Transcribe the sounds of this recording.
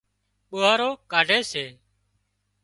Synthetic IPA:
ɓʊːaːɾoːkaːɖʱeːseː

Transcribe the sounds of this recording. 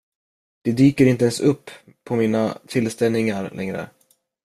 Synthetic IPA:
d̪̥ɛd̪yːkəɾɪnt̪əɛnsɵpʰːɔmiːnat̪ʰɪlst̪ɛlnɪŋaɾlʔɛ̰ŋɾə̰

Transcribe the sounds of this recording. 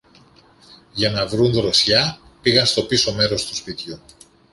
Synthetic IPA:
ʝɐnɐvɾunðɾo̞sçɐ | piɣɐnst̪o̞piso̞me̞ɾo̞st̪u̥spit̪çu

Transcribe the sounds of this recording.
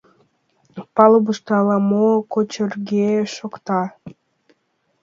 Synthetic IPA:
pɑlbəʃt̪ɑlɑmokot͡ɕərɡeʃokt̪ɑ

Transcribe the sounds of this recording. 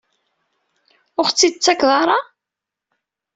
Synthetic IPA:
ʊχt͡sːid̪t͡sːækðˤɑɾˤɑ

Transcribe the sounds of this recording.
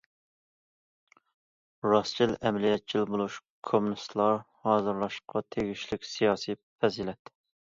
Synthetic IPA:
ɾɑst͡ʃʰilʔɛmlijɛt̪̚t͡ʃʰilbolˠuʃ | kʰomunɨst̪lˠɑɾ | hɑːzɨɾlˠɑʃqʰɑt̪ʰeɡʲiʃlɪkʲsijɑːsipɛzilɛt̪

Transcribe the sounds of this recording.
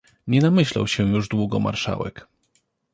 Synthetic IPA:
ɲɛnamɘɕla̰wɕɛ̃juʐd̪wuɡɔma̰ɾʂa̰wɛk

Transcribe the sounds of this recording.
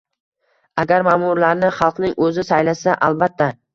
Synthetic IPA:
aɡʲaɾmaːmʊɾlaɾnɪχɑlˠqnɪŋɵzɪsajlasaʔalˠbat̪ʰːa

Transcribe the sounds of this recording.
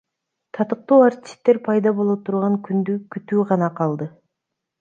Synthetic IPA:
t̪ʰɑt̪ɯq̚t̪uːart̪ʲi̥st̪ːe̞ɾpʰɑjd̪ɑbo̞lˠot̪ʰuɾʁɑŋkʰynd̪ykyt̪yːʁɑnɑqʰɑlˠd̪ɯ

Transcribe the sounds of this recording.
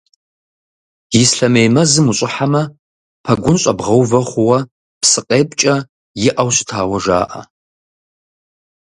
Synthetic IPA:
jɪsɬɐmejmɐzɨmuɕʼɪħamɐ | pʰɐɡʷʊnɕʼɐ̰bʁɐwvɐχʷʊwɐ | psɨqʼeːpʼt͡ʃʼɐ | jɪʔɐwɕɪ̥tʰaːwɐʒa̰ːʔɐ̰

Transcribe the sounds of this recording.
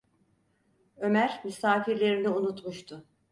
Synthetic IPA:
ø̞mæɾmysaːfiɾlʲe̞ɾiniunut̪muʃt̪ʰʊ

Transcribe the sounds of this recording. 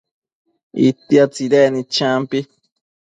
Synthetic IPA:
ḭt̪ːiat͡siɾenĩt͡ʃãmpi

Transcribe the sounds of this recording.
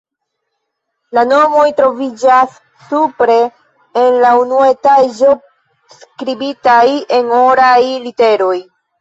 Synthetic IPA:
lano̞mo̞jtɾo̞vid͡ʒasː | upɾe̞ː | nlaunuetad͡ʒo̞ | skɾibitaje̞noɾajlite̞ɾo̞j

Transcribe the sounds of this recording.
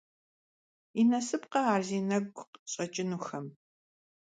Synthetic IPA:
inɐsɨpqɐaːrziːnɐɡʷqɕʼɐt͡ʃʼɪnuːxɐm

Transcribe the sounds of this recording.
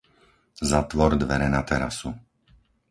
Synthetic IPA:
zat̪ʋɔɾd̪ʋɛɾɛnat̪ɛɾasu

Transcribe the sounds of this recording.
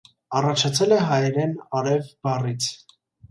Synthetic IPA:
ɑrɑt͡ʃʰɑt͡sʰɛlɛɦɑjɾɛnɑɾɛvbɑrit͡sʰ

